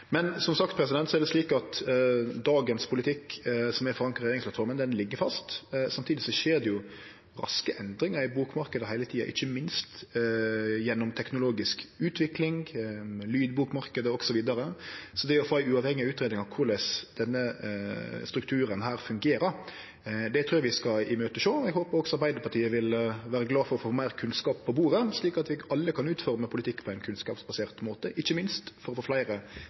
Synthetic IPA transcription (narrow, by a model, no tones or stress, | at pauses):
mɛnsɔmsɑkt̪̚pʰɾɛs̬ɪd̪ɛnt̪sɔɛʁd̪ɛsliːkɑt̪d̪ɑːɡənspʰʊlɪt̪ʰɪkːsɔmɛfɔɾɑŋkəɾɛeɾɪŋsp̪ʰlɑt̪fɔɾmənd̪ɛnlɪɡːəfɑst̪sɑmt̪ʰiːd̪ɪsɔʃeːd̪ɛjʊ | ɾɑ̰skəʔɛnd̪ɾɪŋəɾɪbuːkmɑɾkəd̪əɦæɪlət̪ʰiːɑ̰ʔɪ̰çːəmɪnst̪ | jɛnːɔmt̪ʰɛknʊloːɡɪskʉːt̪ʰʋɪklɪŋ | lyːd̪buːkmɑɾkəd̪əɔɡ̥sɔʋiːd̪ɑɾəsɔd̪ɛɔfoːæɪʉɑʋhɛŋːɪʉːt̪ɾeːd̪ɪŋɑʋkʰʊɾlɛsd̪̥ɛnːə | st̪ɾʉkt̪ʰʉːɾənɦæːɾfʉŋɡeːɾəɾ | d̪ɛt̪ʰɾuːjɑʋɪskɑɪmøːt̪əʃoːɛɡhoːpəɾɔɡsɔɑɾbæɪd̪əɾpʰɑʈʰiːəʋɪlʋæːɾəɡlɑːfɔɾɔfooːmæɪɾkʰʉnskɑːpʰːɔbuːɾəsliːkɑt̪ʋɪɑlːəkʰɑnʉːt̪fɔʁməpʰʊlɪt̪ʰɪkːpʰɔæɪnkʰʉnskɑːpsbɑseːʁt̪moːt̪əʔɪçːəmɪnst̪fɔɾɔfoːflæɪɾə